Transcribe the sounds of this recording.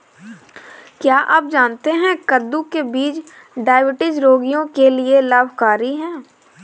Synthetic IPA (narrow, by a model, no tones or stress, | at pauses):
kjaːʔɐp̚d͡ʒaːnt̪eɦɛ̃kəd̪ːukebiːt͡ʃ | ɖaːɪbɪʈɪd͡ʒɾoːɡijõkelielaːbʱkaːɾiɦɛ̃ː